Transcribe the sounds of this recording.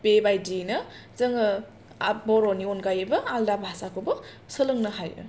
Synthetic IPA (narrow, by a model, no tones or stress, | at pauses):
pebajdinɐzɐŋɐ | bɔɾonionɡajɯbɐaldabhasakʰobɐ | sɯlɯŋnɐɦajɯ̰